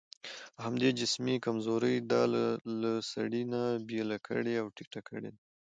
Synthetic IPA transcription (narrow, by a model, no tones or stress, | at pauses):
hamd̪ed͡ʒɪsmikamzoɾəjd̪ɑlasa̰ɽinabjelakʰə̰ɽeawʈikʈakʰəɽḛd̪a